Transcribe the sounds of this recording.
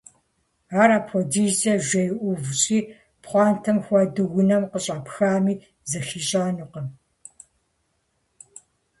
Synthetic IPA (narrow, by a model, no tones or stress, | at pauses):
aːɾaːpʰɔdizɐʒʷɐjʔʷʊvɕʼiː | pχʷɑːntʰɐmxʷɔdɨɣʊnɐmqəɕʼapxaːmiː | zɐxiːɕʼaːnuqəm